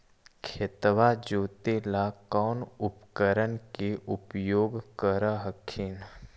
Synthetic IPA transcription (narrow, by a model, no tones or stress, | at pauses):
kʰet̪ʋad͡ʒoːt̪elakɔːnʊpkəɾənkeʔʊpjoːɡkəɾəɦəkʰin